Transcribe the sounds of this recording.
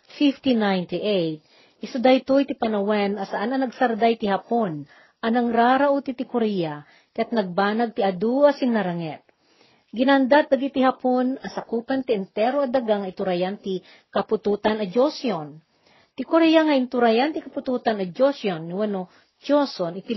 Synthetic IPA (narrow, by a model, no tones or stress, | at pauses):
fift̪inajnt̪iʔɛjt̪̚ | ʔɪsʊd̪ajt̪ujt̪ɪpɐnɐwɛnɐsɐʔanɐnɐɡsɐɾd̪ajt̪ɪhɐpon | ʔɐnɐŋɾaːɾaʔut̪it̪ɪkoɾɛja | kɐjat̪̚nɐɡ̚baːnɐɡ̚t̪iɐd̪uɐsɪnːɐɾɐŋɛt̪̚ | ɡɪnand̪at̪̚d̪ɐɡit̪ɪhɐponɐsɐkuːpɐnt̪ɪɛnt̪ɛɾoɐd̪ɐɡaŋɐʔɪt̪uɾajant̪i | kɐpʊt̪uːt̪ɐnɐd͡ʒosjon | t̪ɪkoɾɛjaŋɐʔɪnt̪ʊɾajant̪ɪkɐpʊt̪uːt̪anɐd͡ʒosjonːɪwɐno | t͡ʃosonɪt̪ɪ